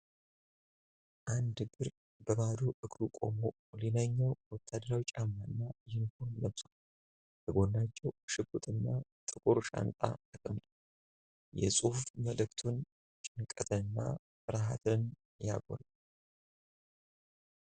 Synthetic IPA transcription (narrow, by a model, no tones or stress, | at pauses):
ʔand̪ɡɨɾ | bəβad̪uʔɨkʼɾukʼo̞̰mo | linaɲːawwɔt̪ʰːad̪əɾawit͡ʃʼamːanːajɪnhunːəβsʼu | bəɡo̞nːat͡ʃːɛwʃɨkʼːut̪ʼɨnːat̪ʼɨkʼuɾuʃa̰nt̪ʼa̰t̪ɨkʼəmd̪ | jɛ̰sʼuhfməlɨkt̪ʰun | t͡ʃʼɪnkʼət̪ʰɨnnːa̰ | fɨɾɦat̪ʰɨn | ja̰ɡo̰l